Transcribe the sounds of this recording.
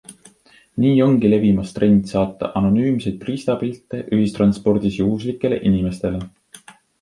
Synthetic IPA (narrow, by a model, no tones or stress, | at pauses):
niːo̞ŋɡ̥ile̞vimɑst̪re̞nd̪̥sɑːt̪ːˑɑ̰ʔɑno̞nyːmsejd̪̥̚priːst̪ɑpilt̪ːˑe̞ʔyɦist̪rɑnspo̞rd̪̥isjuɦuslikˑːe̞le̞̰ʔinime̞st̪e̞le̞